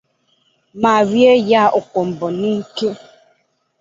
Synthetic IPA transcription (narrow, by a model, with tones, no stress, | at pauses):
ma˨ɾje˦ja˦ʔʊ˨kʷɔ˨m̩˨bɔ˨ni˦ke˦